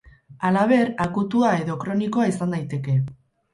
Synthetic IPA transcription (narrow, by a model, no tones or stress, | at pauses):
alaβ̞e̞ɾakut̪uae̞ðo̞kɾo̞niko̞aisand̪ajt̪e̞ke̞